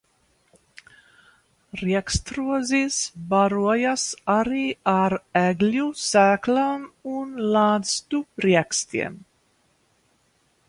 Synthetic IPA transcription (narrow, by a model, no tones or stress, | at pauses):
ɾiɛkst̪ɾuɔzisbaɾuɔjasaɾiːaɾæɡlʲusæːklamunlˠaːst̪uɾiɛkst̪ḭɛm